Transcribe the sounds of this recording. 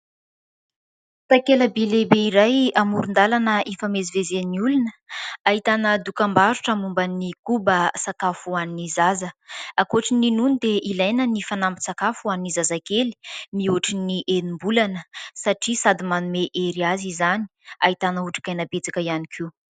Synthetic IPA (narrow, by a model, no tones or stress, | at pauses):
t̪akeləbelebeiɾajamuɾund̪alanəʔifamezivezeniulunəaɦit̪anəd̪ukambaɾuʈ͡ʂamumbənikubəsakafuaninizazəakoʈ͡ʂininunid̪eʔilajnənifanambi̥sakafuannizazakeli̥miuʈ͡ʂiniʔenimbulanəsaʈ͡ʂisad̪imanumeʔeɾiazizani̥aɦit̪anəuʈ͡ʂḁkajnabet͡sakəianikʰi